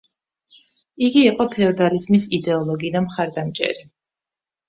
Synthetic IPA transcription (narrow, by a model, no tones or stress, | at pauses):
iɡiːqʼɔpʰɛɔd̪alizmisid̪ɛɔlˠɔɡid̪amχaɾd̪amt͡ʃʼɛ̰ɾi